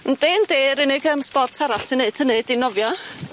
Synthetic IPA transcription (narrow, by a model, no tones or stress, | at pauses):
n̩d̥eːndeːɾɪnɪɡəmspɔrtʰaɾaɬsɨnːeɨtʰəneɨdinɔvjɔ